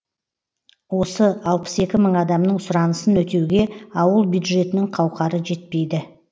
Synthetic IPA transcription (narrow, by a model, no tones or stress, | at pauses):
wo̞səɑlˠpə̥se̞kʲɪməɴɑd̪ɑmnəɴsʊɾɑnəsənwɵt̪ʰe̞wɡʲe̞ɑwəlˠbjud̪ʒe̞t̪ɪnɪŋqʰɑwqɑɾəʒe̞t̪̚pe̞jd̪ɪ